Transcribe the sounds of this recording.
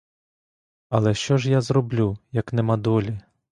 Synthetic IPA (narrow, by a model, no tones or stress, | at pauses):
ɐlˠɛʃt͡ʃɔʒjazrɔblʲujɐknɛmɐd̪ɔlʲi